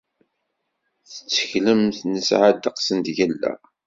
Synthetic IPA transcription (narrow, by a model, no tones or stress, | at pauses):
θə̥t͡sːə̥çləmθnəsʕad̪əqsənt̪ʝælːæ̰